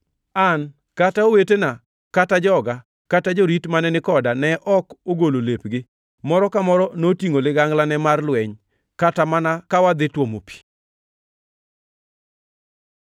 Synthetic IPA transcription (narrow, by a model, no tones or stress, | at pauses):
an | kataowetena | katad͡ʒɔɡa | katad͡ʒoɾitmanɛnɪkɔdanɛʔɔkoɡololepɡɪ | mɔɾɔkamɔɾɔnotiŋolɪɡaŋɡlanɛmarlwɛɲ | katamanakawad̪ɪtwomo̰pi̥